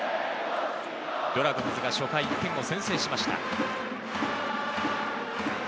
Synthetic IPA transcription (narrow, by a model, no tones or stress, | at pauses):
d̪̥o̞ɾakɯnazɨɡaɕo̞kaik̪ːẽ̞ŋo̞sẽɰ̃se̞ːɕimaɕi̥t̪a̰